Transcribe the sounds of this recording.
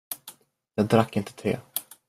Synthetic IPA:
jɑːɡ̚d̪ɾakːɪnt̪ə̥t̪ʰɾḛː

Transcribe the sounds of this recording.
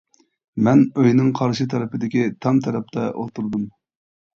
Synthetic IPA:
mɛnøjnɪŋqʰɑɾʃɨt̪ʰɛɾɨpɪd̪ɪkʲit̪ʰɑmt̪ʰɛɾɛp̚t̪ʰɛʔo̰lˠt̪uɾd̪um

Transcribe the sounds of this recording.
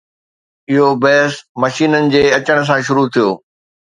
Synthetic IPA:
ɪɦobɛɦɪsmɐʃiːnənɪ̆d͡ʑeːɐt͡ɕəɽ̃̆s̬ãʃ̬ʊɾut̪ʰijo̰ː

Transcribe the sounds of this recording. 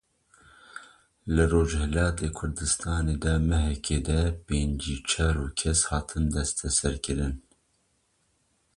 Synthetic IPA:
lɨroːd͡ʒhɛlɑːt̪ʰeːkʰʊɾd̪ɨst̪ɑːneːd̪ɛmɛɦɛkʰeːd̪ɛpeːnd͡ʒiːt͡ʃʰɛɾuːkʰɛshɑːt̪ʰɨnd̪ɛst̪ʰɛsɛɾkɨɾɨn

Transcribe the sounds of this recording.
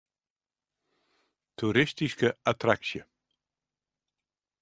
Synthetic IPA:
t̪ʰuɾɪstiskəat̪ʰɾaksjə

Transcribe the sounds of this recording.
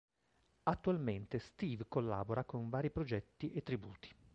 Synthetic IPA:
at̪ːualment̪est̪iːvkolːa̰ːboɾakoɱvaːɾipɾod͡ʒɛt̪ːiʔet̪ːɾibuːt̪i̥

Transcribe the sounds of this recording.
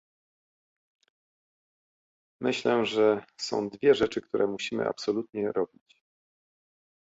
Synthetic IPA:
mɘɕlɛʐɛsɔ̰̃w̃d̪vʲjɛʐɛt͡ʂɘkt̪uɾʔɛmuɕimɘ̰ʔa̰psɔlut̪ɲɛɾɔbʲit͡ɕ

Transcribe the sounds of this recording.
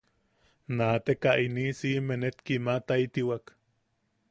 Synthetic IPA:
naːt̪ekaʔinisimenet̪kimat̪ait̪iwak

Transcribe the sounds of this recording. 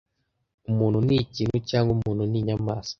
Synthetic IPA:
mununit͡ʃiŋut͡ʃaŋɡumununiɲamas

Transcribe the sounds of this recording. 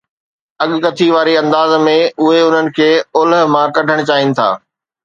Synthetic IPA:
ɐɠkɐt̪ʰiʋaːɾiɐ̃nd̪aːzmẽʊɦeʊn̤ənɪ̆kʰeːʊlɦ̆mãːɾkɐɖʱəɽ̃t͡ɕaːɦɪnɪ̆t̪ʰa̰ː

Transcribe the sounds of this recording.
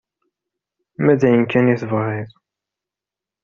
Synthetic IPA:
mæd̪æjənkːæniθəvʁɪðˤ

